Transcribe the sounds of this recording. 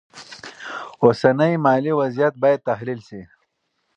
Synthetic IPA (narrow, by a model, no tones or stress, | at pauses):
osanəjmɑːliwazijat̪̚baːjad̪̚t̪aɦlilsi